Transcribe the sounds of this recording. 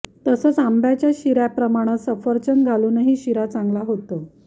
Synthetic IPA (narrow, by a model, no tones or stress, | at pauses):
t̪əsəːt͡sambjat͡ɕjaɕiɾjapɾəmaɽ̃asəfəɾt͡ɕənɡʱaluːnəɦiːɕiɾat͡saŋɡlaɦot̪ə